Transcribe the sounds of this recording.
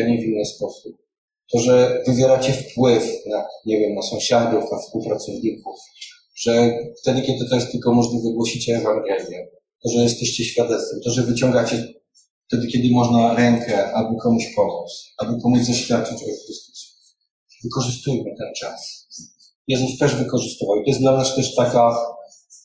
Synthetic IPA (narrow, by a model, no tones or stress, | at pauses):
ɲɛvʲinːɘspɔsup̚ | t̪ɔʐɛvɘvʲjɛɾat͡ɕɛfpwɘfnaɲɛvʲjɛmnasɔ̃w̃ɕad̪ufnafspuwpɾat̪sɔvɲikuf | ʐ̥ɛft̪ɛd̪ɘkʲɛd̪ɘt̪ɔjɛst̪ɘlkɔmɔʐnavɨɡwɔɕit͡ɕɛːvaŋɡɛlʲjɛ | t̪ɔʐɛjɛst̪ɛɕt͡ɕɛɕfʲjad̪ɛt̪st̪fɛmt̪ɔʐɛvɘt͡ɕɔŋɡat͡ɕɛ | ft̪ɛd̪ɘkʲɛd̪ɘmɔʐnaɾɛŋkʰɛabɨkɔmuɕpɔmut̪sabɨpɔmud͡ʑzaɕfʲjat̪̚t͡ʂɛt͡ɕɔjɛxɾɨst̪u̥su̥ | vɘkɔʐɘst̪ujmɘt̪ɛnt͡ʂas | jɛzust̪ɛʐvɘkɔʐɨst̪ɨvawit̪ɔjɛsd̪lamɲaʂt̪ɛʂt̪aka